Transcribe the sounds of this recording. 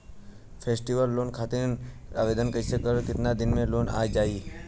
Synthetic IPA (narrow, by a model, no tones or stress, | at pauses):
pʰeːsʈiʋəlːoːnkʰaːt̪ɪna̰ːʋeːd̪ənkəɪsekəɾkɪt̪nad̪ɪnmẽloːna̰ːjd͡ʒaːiː